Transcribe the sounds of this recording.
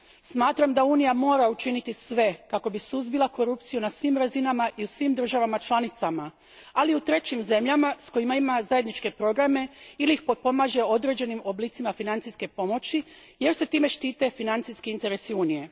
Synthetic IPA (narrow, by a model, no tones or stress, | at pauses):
smaːt̪ɾamd̪auːnijamo̞ːɾaut͡ʃinit̪isʋe̞kako̞bisuzbilˠako̞ɾupt̪sijunasʋimɾazinamaʔiusʋimd̪r̩ʒaʋamat͡ʃlˠanit̪sama | aliut̪ɾe̞t͡ɕimze̞mʎamasko̞jimaimazaje̞d̪nit͡ʃke̞pɾo̞ɡɾame̞iliixpopo̞maːʒe̞o̞d̪ɾe̞d͡ʑe̞nimo̞bliːt̪simafinant̪siske̞po̞mo̞t͡ɕi | je̞ɾse̞t̪iːme̞ʃt̪iːt̪e̞finant̪siskiint̪e̞ɾesiuːnije̞